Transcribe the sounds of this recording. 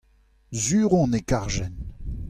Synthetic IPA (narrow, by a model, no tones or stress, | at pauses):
zyːʁɔ̃nekaʁʒɛn